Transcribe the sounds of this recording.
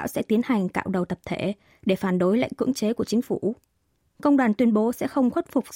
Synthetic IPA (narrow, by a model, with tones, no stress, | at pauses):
a̰ː˧˥wsɛ̰˧˥t̪i˨˦ənha˨˩jŋ̟ka̰ː˧˨wɗə˨˩wt̪ə˨˩p̚t̪ʰe˧˩ | ɗe˧˩faː˧˩nɗo˨˦jla̰˧˨ŋ̟kɨ̰˧˥əŋt͡ɕe˨˦ku˧˩ət͡ɕï˨˦ŋ̟fu˧˩ | kə˧wŋ͡mɗwaː˨˩nt̪wi˧ənɓo˨˦sɛ̰˧˥xə˧wŋ͡mxwə˦˥t̚fʊ˨˩k͡p̚